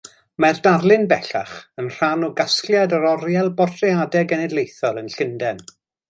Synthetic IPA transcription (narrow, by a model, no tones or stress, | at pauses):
mardarlˠɪnbɛɬa̰χənr̥anɔɡasklˠjadəɾɔɾjɛlˠbɔrtʰriadɛɡɛnɛdlˠejθɔlˠənɬɪndɛn